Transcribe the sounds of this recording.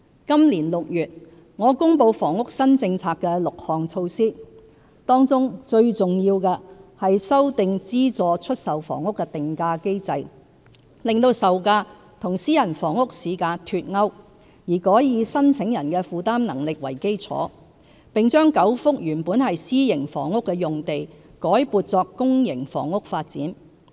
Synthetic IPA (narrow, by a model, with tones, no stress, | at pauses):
kɐ˥mliː˨˩nlʊ˨k̚jyː˨t̚ | ŋɔː˨˧kʊ˥ŋpo˧wfɔː˨˩ŋʊ˥k̚sɐ˥nt͡sɪ˧ŋt͡sʰaː˧kːɛː˧lʊ˨k̚hɔː˨˩ŋt͡sʰo˧wsiː˥ | t̪ɔː˥ŋt͡sʊ˥ŋt͡ʃɵ˧ɥt͡sʊ˨ŋjiː˧wkɛː˧hɐ˨jsɐ˥wt̪ɪ˨ŋt͡siː˥t͡sɔː˨t͡ʃʰɵ˥t̚sɐ˨wfɔ̰ː˨˩ŋʊ˥kːɛː˧t̪ɪ˨ŋkaː˧ke˥jt͡sɐ˨j | lɪ˨ŋt̪o˧wsɐ˨wkaː˧ | t̪ʰʊ˨˩ŋsiː˥jɐ˨˩nfɔː˨˩ŋʊ˥k̚siː˨˧˥kaː˧t̪ʰyː˧t̚ŋɐ˥w | jiː˨˩kɔː˨˥jjiː˨˧sɐ˥nt͡sʰɪ˨˥ŋjɐ˨˩nkɛː˧fuː˨t̪aː˥mnɐ˨˩ŋlɪ˨k̚wɐ˨˩jke˥jt͡sʰɔ̰ː˨˥ | pɪ˨ŋt͡ʃœː˥ŋkɐ˨˥wfʊ˥k̚jyː˨˩npuː˨˥nhɐ˨jsiː˥jɪ˨˩ŋfɔ̰ː˨˩ŋːʊ˥kːɛː˧jʊ˨ŋt̪e˨j | kɔː˨˥jpuː˧t̚t͡sɔː˧kːʊ˥ŋjɪ˨˩ŋfɔ̰ː˨˩ŋʊ˥k̚faː˧t̚t͡siː˨˥n